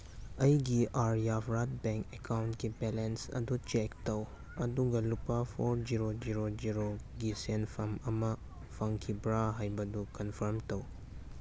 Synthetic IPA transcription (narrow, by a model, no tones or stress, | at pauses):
ɐjɡiʔaɾjapʰɾat̚beŋkekawntkibelensɐ̰dut͡ʃektɐw | ɐduɡɐlupapʰoɾd͡ʒiɾod͡ʒiɾod͡ʒiɾoɡisenpʰɐmɐmɐ | pʰɐŋkʰibɾaɦajbɐdukɐnpʰɐɾmtɐw